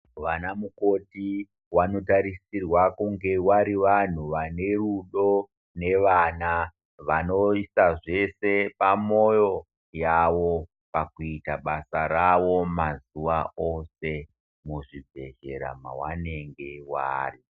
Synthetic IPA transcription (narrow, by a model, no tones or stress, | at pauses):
ʋanamuko̞ti | wano̞taɾisirwakuŋɡe̞waɾiʋan̤uʋane̞ruɗo̞ | ne̞ʋana | ʋano̞isaʐe̞se̞pamo̞jo̞ | jaʋo | pakuitaɓasaɾaʋo̞mazuʋaose̞ | muʐibʱe̞̰ʒe̞̰ɾa̰ma̰wa̰ne̞ŋɡe̞wa̰ːri